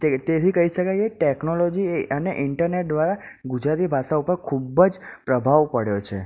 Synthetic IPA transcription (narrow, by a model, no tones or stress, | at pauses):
t̪et̪et̪ʰikəiʃəkajeʈeknolod͡ʒieəneʔɪɳʈəɾneʈ̚d̪ʋaɾaɡud͡ʒɾat̪ibʱaʃaupəɾkʰubəd͡ʒpɾəbʱaʋpəɽjot͡ʃʰe